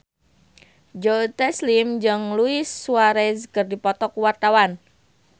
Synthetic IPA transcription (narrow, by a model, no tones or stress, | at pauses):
d͡ʒot̪ɛslimd͡ʒɨŋluɪsːuaɾezkərdipɔt̪ɔkuwart̪awan